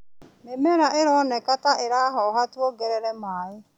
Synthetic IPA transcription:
memɛɾaʔeɾɔnɛkataʔeɾaːɦɔɦatwɔɡɛɾɛɾɛmaːɾe

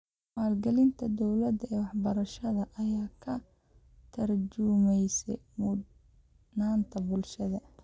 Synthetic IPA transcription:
maːlɡɐlɪnt̪ʰɐd̪ɔwlɐd̪ɛːwɑħbɐɾɐʃɐðɐʔɐjaːkʰɐ | t̪ʰɐrd͡ʒʊmɛjsɛ̰mʊ | naːnt̪ʰɐbʊlʃɐðɐ

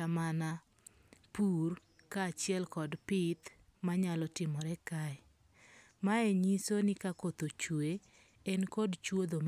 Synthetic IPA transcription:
amana | pur | kaːt͡ʃɪɛlkɔdpɪt̪ | maɲalɔtɪmɔɾɛkaɪ | maɛɲisonɪkakot̪ot͡ʃwe | ɛnkɔdt͡ʃwod̪om

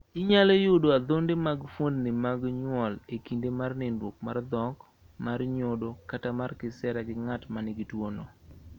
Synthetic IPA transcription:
ɪɲalejʊdoad̪ondemaɡfwondnɪmaɡɲwɔlekindemarnɪnwok̚mard̪ɔk | marɲodokatamarkɪsɛɾaɡɪŋatmanɪɡitwono

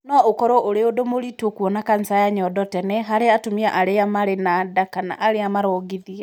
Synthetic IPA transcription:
nɔokɔɾɔʔoɾeodomoɾitokwɔnakan̩sajaɲɔdɔtɛnɛɦaɾeatomiaʔaɾeamaɾenadakana̰ʔaɾeamaɾɔːɡiðia

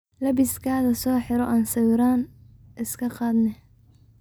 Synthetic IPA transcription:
lɐβɪskʰaːðɐsɔːħɪɾɔʔaːnsɐwɾaːn | ʔɪskʰɐqɑːd̪nɛ

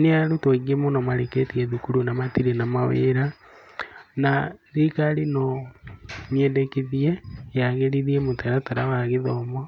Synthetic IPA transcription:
neaɾutwoɣiemonɔmaɾeketieðukuɾunamatiɾenamawḛːɾa | naðikaɾino | miedekiðiejaɣeɾiðiemotɛɾataɾawaɣeðɔmɔ

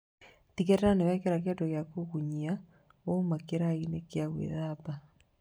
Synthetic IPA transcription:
tikɛtɾanewɛkeɾakɛdɔɣjakoɣuɲia | omakeɾainekjaɣwḛðapa

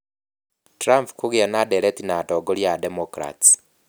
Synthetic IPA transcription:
tɾampkuɣianadeɾetinatoɡoljademokɾa̰ti̥

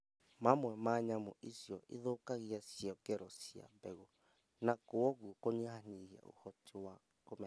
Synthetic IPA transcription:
mamwɛmaɲamɔʔisjɔʔeðokaɣiasjɔkɛɾɔsia̰bɛɣo | nakoɔɣuokoɲehaniɣia̰o̰hɔtewa | komɛ

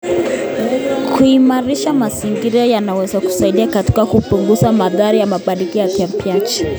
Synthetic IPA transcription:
kʰuimaɾiʃamaziŋɡiɾiɔjanawɛzaku̥saiɗiakati̥kakupuŋɡuzamaðaɾijamaɓaɗikijakam̩piat͡ʃi̥

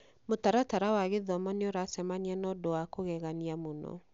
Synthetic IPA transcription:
motaɾataɾawaɣeðɔmɔneoɾasɛmanianɔdowakoɣɛɣaniamonɔ̰

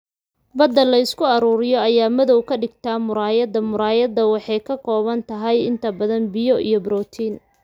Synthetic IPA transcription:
bɐd̪ːɐlɐɪskʰʊɐɾuːɾɪjɔɐjaːmɐðɔwkʰɐɖɪɡt̪ʰaːmʊɾaːjɐðɐmʊɾaːjɐðɐwɑħɑjkʰɐkʰɔːβɐnt̪ʰɐɦɐjɪ̰nt̪ʰɐbɐðɐnbɪjɔʔijɔbɾɔːt̪ʰiːn

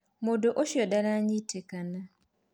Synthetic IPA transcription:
modoʔoʃjodaɾaɲitʰekana

